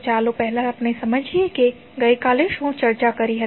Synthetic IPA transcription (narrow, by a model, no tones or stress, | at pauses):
t͡ʃaːlopɛɦlaɐpnesɐməd͡ʒʱieke | ɡɐikaːleʃõt͡ʃɐɾt͡ʃakɐɾiɦɐ